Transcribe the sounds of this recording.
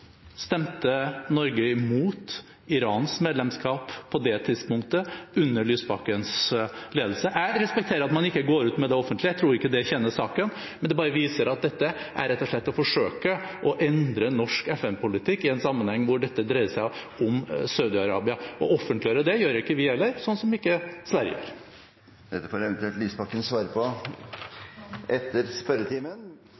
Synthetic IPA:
st̪ɛmt̪ənɔɾɡəɪmuːt̪ | ɪɾɑːnsmeːd̪lɛmskɑːpʰːɔd̪ɛt̪ʰɪd̪spʊŋk̚t̪əʉnːəɭyːsbɑkənsleːd̪l̩səʔæɾɛspɛk̚t̪ʰeːɾəɾɑt̪mɑnɪkːəɡoːɾʉːt̪mɛd̪ɛɔfːənt̪lɪæɪt̪ʰɾuːɾɪkːəd̪ɛçɛnːəʂɑːkən | mɛnd̪ɛbɑːɾəʋiːsəɾɑt̪̚d̪ɛt̪ːə | ʔæ̰ɾɛt̪ːɔʂɭɛt̪ːɔfɔʂøːkə | ʔɔʔɛnd̪ɾənːɔʂkɛfɛnpʊlɪt̪ʰɪkːɪɛnsɑmːənhɛŋːʋʊɖɛt̪ːəd̪ɾæɪəsæɪ | ɔmsɑʉd̪ɪɑɾɑ̰ːbɪɑʔɔ̰ɔfːənt̪lɪøːɾəd̪ɛjøːɾɪkːəʋɪɛlːəɾsɔnːsɔmɪkːəsʋæɾjə̰jø̰ːɾ | d̪ɛt̪ːəfoːɾɛʋɛnt̪ʉɛlt̪liːspɑkːənsʋɑːɾəpʰɔ | ɛt̪ʰːəɾspœɾət̪ʰiːmən

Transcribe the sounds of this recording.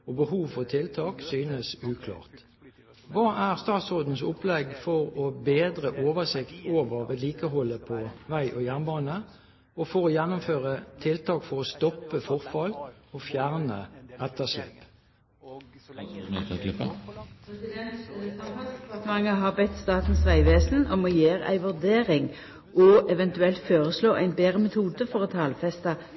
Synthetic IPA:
ɔbəhuːʋfɔʁt̪ʰɪlt̪ʰɑːksyːnəsʉːkʰlɑ̰ːʁt̪ | ʋɑːʔæʁst̪ɑːt̪sʁoːd̪n̩sʊplɛɡfɔʁobeːd̪ʁəʔoːʋəʁsɪkt̪ʰoːʋəʋɛt̪liːkəɦɔlːəpʰɔʋæɪʔoːjænbɑːnə | ɔfɔʁɔjɛnːʊmføːʁət̪ʰɪlt̪ʰɑːkfɔʁɔst̪ɔpːəfɔʁfɑlofjæʁnəɛt̪əʃɛ̰ːp | ɛsɪd̪ɛnt̪tɑfɑd̪ɛpɑʁt̪əmɑŋːəɦɑːʁbɛt̪ːst̪ɑːt̪n̩sʋæɪʋeːsn̩ʔɔmɔjeːʁæ̰ɪʋʉʁd̪eːʁɪŋ | ʔɔʔɛʋɛnt̪ʉɛlt̪føːʁəsloːʔæɪnbeːʁəmɛt̪ʰuːd̪əfɔʁoːt̪ʰɑːlfɛst̪ɑ

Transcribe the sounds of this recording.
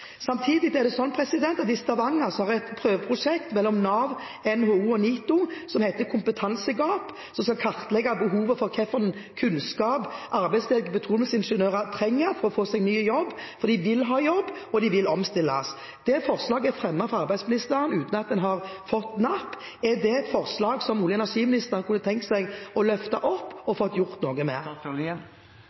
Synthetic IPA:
sɑmt̪ʰiːd̪ɪd̪ɛd̪ɛsɔnːpʰɾɛsɪd̪ɛnt̪ɑt̪ɪst̪ɑʋɑŋːɑsɔhɑʁɛt̪pʰɾøːʋəpʰʁʊʂɛkt̪mɛlːɔmnɑːʋ | ɛnhoːuːɔniːt̪ʊsɔmhæɪt̪əkʰʊmpət̪ʰɑnsəɡɑːp | sɔmskɑlkʰɑʁt̪lɛɡːɑbəɦuːʋəfɔʁkʰɛfənnkʰʉnskɑːpʔɑʁbæɪslɛɡəbət̪ʰʁuːləsɪnʂənøːʁɑt̪ʰɾɛŋːəfɔɾɔfoːsɛɡnyːəjɔbːfɔʁɾd̪iːʋɪlːɦɑːjɔbː | ɔd̪ɪʋɪlɔmst̪ɪlːɑs | d̪̥ɛfɔʁslɑːɡəɛfɾɛmːɑfɔʁɑʁbæɪsmɪnɪst̪əɾənʉːt̪n̩ɑt̪̚d̪ɛnɦɑʁfɔt̪ːnɑpː | ɛd̪ɛɛt̪fɔʁslɑːɡsɔmuːlənɑʂiːmɪnɪst̪əʁkʰʊnːət̪ʰɛŋkt̪sæɪɡɔlœft̪ɑ̰ʔɔpːɔfɔt̪ːjʊʁt̪noːɡəmḛːɾ

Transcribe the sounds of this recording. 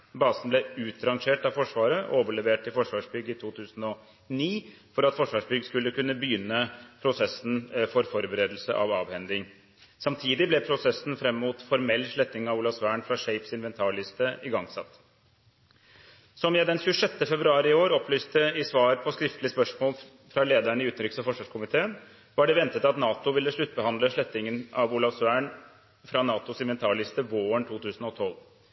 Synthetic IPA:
bɑːsnblɛʉːt̪ɾɑŋʂeːʈɑʋfɔʂʋɑːɾəʔoːʋəɭɛʋeːʈɪfɔʂʋɑːʂbʏɡːəɪt̪ʰuːt̪ʰʉːsən̩ɔ | niː | fɔɾɑt̪fɔʂʋɑːʂbʏɡskʉlːəkʉnːəbəjʏnːəpʰɾʊsɛsn̩fɔɾfɔɾbəɾeːd̪l̩sə̰ʔɑ̰ʋɑːʋhɛnd̪ɪŋ | sɑmt̪ʰiːd̪ɪblɛpʰɾʊsɛsːn̩fɾɛmːmuːt̪fɔɾmɛlːʂɭɛt̪nɪŋɑʋuːlɑsʋæːɳfɾɑʂɛɪpsɪnʋɛnt̪ʰɑːɭɪst̪əʔɪɡɑŋsɑ̰t̪ː | sɔmjæɪd̪ɛnçʉːəʂɛt̪ːəfɛbɾʉɑːɾɪɪoːɾɔpʰlyːst̪əɪsʋɑːɾpʰɔskɾɪft̪lɪəspœʂmoːl | fɾɑleːd̪æɳəɪʉːt̪nɾʏksɔfɔʂʋɑʂkʰʊmɪt̪ʰeːən | ʋɑɖɛʋɛnt̪ət̪ɑt̪nɑːt̪ʊʋɪlːəʂɭʉt̪̚ːbəhɑnd̪ləʂɭɛt̪ːɪŋənɑʋulɑʋsæːɳ | fɾɑnɑːt̪ʊsɪnʋɛnt̪ʰɑːɭɪst̪əʋoːəɳt̪ʰuːt̪ʰʉːsn̩ɔt̪ʰɔl

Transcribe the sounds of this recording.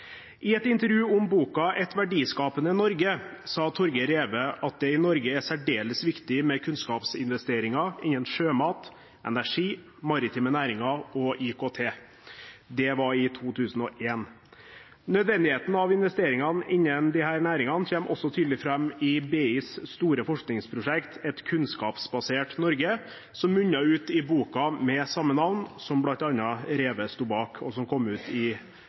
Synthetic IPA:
ʔɪɛt̪ɪnt̪əɾjʉːʊmbuːkɑʔɛt̪ʋæɖiːskɑːpənənɔɾɡəsɑːt̪ʰɔɾɡəɾeːʋəʔɑt̪̚d̪ɛɪnɔɾɡəæsæɖeːləsʋɪkt̪ɪmɛkʰʉnskɑːpsɪ̰nʋɛst̪eːɾɪŋɑɪɲənʂøːmɑːt̪ | ʔɛ̰næʂiː | mɑɾɪt̪ʰɪːmənæːɾɪŋɑɔʔikʰoːt̪ʰeː | d̪ɛʋɑɾɪt̪ʰuːt̪ʰʉːsn̩ɔʔeːn | nœd̪ʋɛnd̪ɪheːt̪n̩ɑʋɪnʋɛst̪eːɾɪŋɑnɪnːənd̪ɪhæːɾnæːɾɪŋɑnçeːmʔɔ̰sɔt̪ʰyːd̪lɪfɾɛmːɪbeːiːsst̪uːɾəfɔʂknɪŋspʰɾʊʂɛkt̪ʰɛt̪kʰʉnskɑːpsbɑseːʈnɔɾɡə | sɔmːʉɲːɑʉːt̪ɪbuːkɑmɛsɑmːənɑʋnsɔmblɑnt̪ɑnːɑɾeːʋəst̪uːbɑːkʰɔ̰sɔmkʰɔmːʉːt̪ʰɪ

